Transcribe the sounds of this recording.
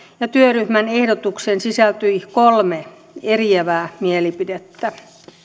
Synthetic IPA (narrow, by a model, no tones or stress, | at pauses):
jɑt̪yøryhmænehdot̪uksensisælt̪yikolme | erieʋæːmielipidet̪ːæ